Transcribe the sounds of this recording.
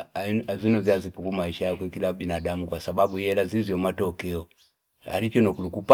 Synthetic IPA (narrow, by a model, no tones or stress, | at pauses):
azinɔziazipuɡumaiʃajakwɛkilabinadamukwasaɓaɓujɛlazizjɔmatɔkɛɔ | ha̰lit͡ʃɔnɔkulukup